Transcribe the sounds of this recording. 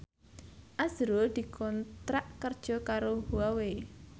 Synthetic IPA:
ʔazɾold̪̥i̤kʰɔnt̪ɾaʔkərd̥ʒ̥ɔ̤kaɾohuawe

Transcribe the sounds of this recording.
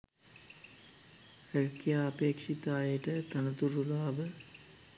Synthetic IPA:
reɻkijaːpeːkʂit̪aːjəʈət̪ɐnɐt̪uɾulaːʋə

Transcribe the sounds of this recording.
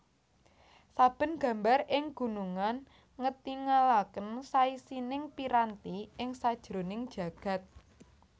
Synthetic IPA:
sab̥ə̤nɡ̥ä̤mbarɪŋɡ̥ṳnuŋan | ŋət̪iŋalakənsaisinɪŋpiɾant̪iɪŋsad̥ʒ̥ɾo̤nɪŋd̥ʒ̥ä̤ɡ̥a̤t̪̚

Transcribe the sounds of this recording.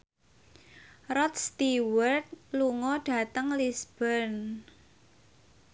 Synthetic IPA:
rɔt̪̚st̪iwərt̪̚luŋɔɖ̥ä̤t̪əŋlisb̥ərn

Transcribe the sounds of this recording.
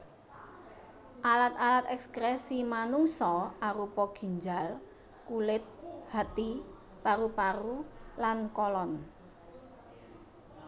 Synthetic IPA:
ʔalat̪alat̪ɛkskɾɛsimanuŋsɔaɾupɔɡ̥i̤ɲd͡ʒal | kulɪt̪̚hat̪i | paɾupaɾulankɔlɔn

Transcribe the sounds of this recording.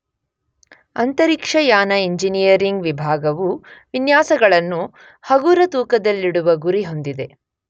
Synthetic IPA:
ɐnt̪ɐɾikʂɐjaːnɐiɲd͡ʒinijɐɾiŋɡʋibʱaːɡɐʋuʋinjaːsɐɡɐɭɐnːu | hɐɡuːɾɐt̪uːkɐd̪ɐlːiɽuʋɐɡuɾiɦo̞nd̪id̪e̞

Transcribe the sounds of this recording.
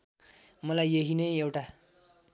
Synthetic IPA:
mʌlajeɦinʌjewʈa

